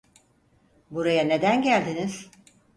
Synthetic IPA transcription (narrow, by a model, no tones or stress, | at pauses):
buɾajane̞d̪ænɟælʲd̪iniz̥